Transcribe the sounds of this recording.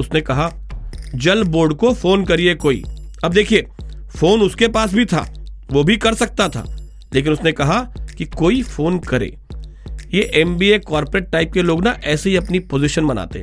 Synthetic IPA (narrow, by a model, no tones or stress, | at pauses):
ʊsnekɐɦa | d͡ʒɐlboːɾɖkofoːnkɐɾiekoːḭː | ɐb̚d̪eːkʰie | foːnʊskepaːs̬bʱit̪ʰa̰ːʋobʱikɐɾsɐk̚t̪at̪ʰa̰ː | leːk̬ɪnʊsnekɐɦakikoːifoːnkɐɾḛː | jeʔɛmbiːekɔːɾpɾeːʈ̚ːaːɪp̚keloːɡnaʔɛːseɦiɐpnipoːzɪʃənmɐna̰ːt̪eɦɛ